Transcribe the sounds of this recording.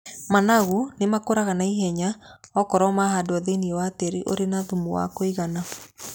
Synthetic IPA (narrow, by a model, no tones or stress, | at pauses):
manaɣunemakoɾaɣanaiɦɛɲaɔkɔɾɔmaɦadoaðeniɛwateɾiʔo̰ɾenaðumowa̰koiɣana